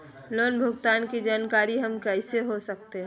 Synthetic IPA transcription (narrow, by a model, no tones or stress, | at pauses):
loːnbʱʊɡt̪aːnkid͡ʒaːnkaːɾiɦɐmkɛɪseɦosək̚t̪eɦɛ